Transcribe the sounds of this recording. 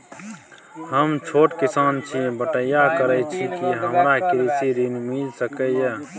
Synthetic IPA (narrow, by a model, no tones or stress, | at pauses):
həmt͡ʃʰoːʈkisaːnt͡ʃʰibəʈəjakəɾət͡ʃʰikiɦəmɾakiɾisiɾinmilsəkəjə